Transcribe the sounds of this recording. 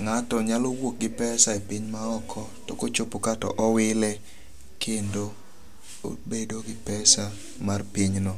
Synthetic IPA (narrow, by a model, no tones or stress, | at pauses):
ŋatɔɲalowok̚ɡɪpɛsaepɪɲmaɔkʰɔtokot͡ʃopokatɔ̰ʔɔwɪlɛ | kʰendo | o̰bedoɡɪpɛsa | marpiɲnɔ